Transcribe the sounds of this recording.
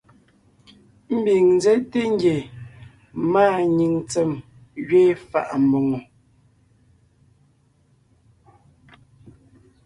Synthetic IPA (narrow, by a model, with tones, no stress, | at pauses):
m̩˦bi˨ŋn˦d͡zɛ˦te˦ŋ˦ɡje˨ | maː˦˨ɲi˨ŋt͡sɛ˨m | ɣɥeː˦fa̰˨ʔm̩˨bo˨ŋo˨